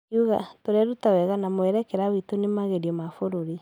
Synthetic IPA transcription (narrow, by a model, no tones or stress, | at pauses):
kiuɣa̰toɾɛɾutawɛɣanamoɛɾɛkɛɾawitonemaɣeɾiɔmafoɾoɾi